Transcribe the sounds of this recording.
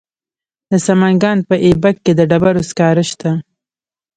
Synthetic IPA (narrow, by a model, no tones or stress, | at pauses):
d̪əsamaŋɡɑnpəʔebakːed̪əɖabaɾoskɑɾəʃt̪a